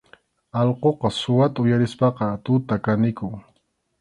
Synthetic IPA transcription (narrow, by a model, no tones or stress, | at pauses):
ɑlqoqɑsʊwat̪aʊjaɾɪspɑqɑt̪ʊt̪akanɪkʊŋ